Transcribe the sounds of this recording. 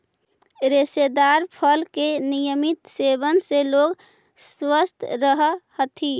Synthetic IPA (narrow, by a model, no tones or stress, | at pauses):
ɾesed̪aɾpʰəlkenijəmit̪sebənseloɡ | swəst̪ʰɾəɦəhət̪ʰi